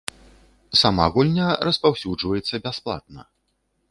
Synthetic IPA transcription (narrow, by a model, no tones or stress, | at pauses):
sama̰ɣulʲnʲɐɾɐspawsʲud͡ʐvɐjɛt̪sːɐbʲasplˠa̰t̪̚nɐ̰